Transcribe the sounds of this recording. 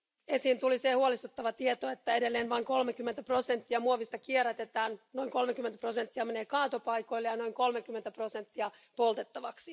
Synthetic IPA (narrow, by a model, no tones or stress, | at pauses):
esiːnt̪ulisehuolist̪ut̪ːɑʋɑt̪iet̪oet̪ːæede̞lːeːnʋɑiŋko̞lmekymːent̪æpro̞sent̪ːiɑmuoʋist̪ɑkieræt̪et̪æːnno̞iŋko̞lmekyment̪æ̥pro̞sent̪ːiɑmeneːkɑːt̪opɑjkoilːejɑno̞iŋko̞lmekymːent̪æpro̞sent̪ːiɑ | po̞lt̪et̪ːɑʋɑksi